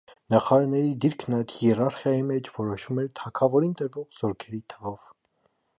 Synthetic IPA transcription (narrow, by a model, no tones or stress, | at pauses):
nɑχɑɾɑɾnɛɾid̪iɾkʰnɑjt̪hjɛrɑɾχjɑjimɛt͡ʃʰvɔɾɔʃumɛɾt̪ʰɑkʰɑvɔɾint̪əɾvɔʁz̥ɔɾkʰɛɾit̪ʰəvɔv̥